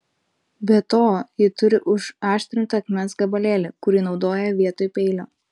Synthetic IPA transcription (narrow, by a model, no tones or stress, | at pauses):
bʲɛt̪oːjɪt̪ʊɾʲɪʔʊʃɑːʃʲt̪ʲɾʲɪnt̪ɐɐkmʲɛnsɡɐbɐlʲeːlʲɪkʊɾʲiːnɒʊd̪oːjɛʋʲiɛt̪oːjpʲɛɪlʲoː